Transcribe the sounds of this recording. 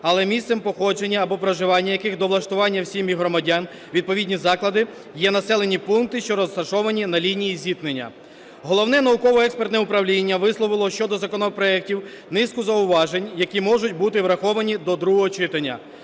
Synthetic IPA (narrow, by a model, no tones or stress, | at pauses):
ɐlˠɛmʲist̪sɛmpɔxɔd͡ʒenʲːɐːbɔpɾɔʒɪʋɑnʲːɐjɐkɪɣd̪ɔʋlˠɐʃt̪ʊʋɑnʲːɐwsʲimiɦɾɔmɐdʲan | ʋʲid̪̚pɔʋʲidʲnʲizɑklˠɐd̪ɪ | jɛnɐsɛlˠe̞nʲipunk̚t̪ɪʃt͡ʃɔɾɔst̪ɐʃɔʋɐnʲinɐlʲinʲijizʲik̪nenʲːɐ̰ | ɦɔlˠɔwnɛnɐʊkɔʋɔɛkspert̪nɛʊpɾɐwlʲinʲːɐʋɪslˠɔʋɪlˠɔʃt͡ʃɔd̪ɔzɐkɔnɔpɾɔɛk̚tʲiw | nɪskʊzɐʊʋɑʒenʲjɐkʲimɔʒʊt̚ʲbut̪ɪʋɾɐxɔʋɐnʲid̪ɔd̪ɾuɦɔɦɔt͡ʃɪt̪ɐnʲːɐ̰